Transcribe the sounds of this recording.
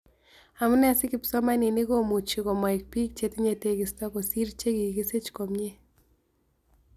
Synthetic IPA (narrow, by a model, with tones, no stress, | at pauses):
a˨mu˦nɛ˦a˨sɪ˦kɪ˨psɔ˦ma˦ni˨ni˦ko˦mu˨t͡ʃi˨ko˨ma˨i˨k̚pi˦k̚t͡ʃe˦ti˦ɲe˨te˦kɪ˨stɔ˦ko˨si˦ɾt͡ʃe˦ki˨ɡi˦se˦t͡ʃko˨mɲe˦